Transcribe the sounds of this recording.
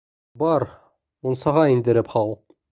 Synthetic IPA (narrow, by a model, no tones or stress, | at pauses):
bɑɾ | unsɑʁɑind̪ɘ̆ɾɘpχɑlˠ